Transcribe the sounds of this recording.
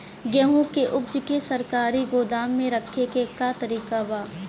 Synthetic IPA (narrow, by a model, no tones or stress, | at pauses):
ɡɛɦũkeʔʊb̚d͡ʒkesɐɾkaːɾiɡoːd̪aːmːẽɾɐkʰːekekat̪ɐɾiːkabaː